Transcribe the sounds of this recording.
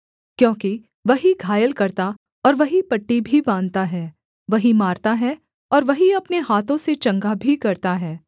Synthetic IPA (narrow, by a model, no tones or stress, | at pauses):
kjõːki | ʋɐɦiɡʱaːjəlkɐɾt̪a | ɔːɾʋɐɦipɐʈːibʱibãːnd̪t̪aɦɛː | ʋɐɦimaːɾt̪aɦɛ | ɔːɾʋɐɦiɐpneɦaːt̪õset͡ʃɐ̃ŋɡabʱikɐɾt̪aɦɛː